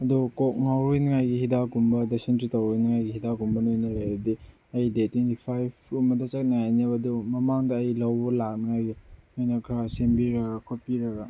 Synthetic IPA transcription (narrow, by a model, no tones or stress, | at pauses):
ɐdukok̚ŋawɾojnŋajɡihidaɡumbɐdesentɾitawɾojnɐŋajɡihidaɡumbɐnojnɐɾajbdi | ɐjdetwentipʰajpʰumɐdɐt͡ʃɐk̚naŋajnebɐdumɐmaŋdɐːjlɐwbɐlak̚naŋajɡinojnɐkʰɾasembiɾɐɡɐkʰot̚piɾɐɡa